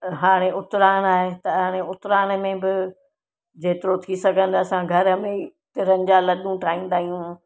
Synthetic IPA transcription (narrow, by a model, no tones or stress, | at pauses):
ɦaːɽ̃eʔʊt̪ɾaːñaːɦet̪ɐaːɽ̃eʊt̪ɾaːñmẽbɪ | d͡ʑeːt̪ɪɾot̪ʰisɐɡʱə̃nd̪ɐsãɡʱɐɾəmẽt̪ɪɾənɪ̆d͡ʑalɐɗũʈʰaːɦĩːn̆d̪aːɦijũ